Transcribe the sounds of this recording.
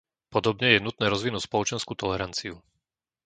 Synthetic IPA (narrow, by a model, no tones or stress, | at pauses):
pɔd̪ɔbɲɛjɛnut̪nɛːɾɔzʋinuːcspɔlɔt͡ʃɛnskuːt̪ɔlɛɾant͡siu